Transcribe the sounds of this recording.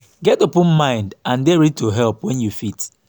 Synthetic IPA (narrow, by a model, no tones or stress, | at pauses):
ɡɛtopɔ̃nmãɪ̃ndãndeɹitoɦɛlpwɛ̃njufit